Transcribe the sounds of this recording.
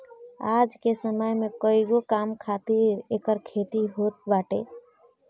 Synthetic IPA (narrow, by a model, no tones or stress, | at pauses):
ad͡ʒkesəməjmekəiɡokamkʰat̪iɾekəɾkʰet̪iɦot̪̚baʈḛ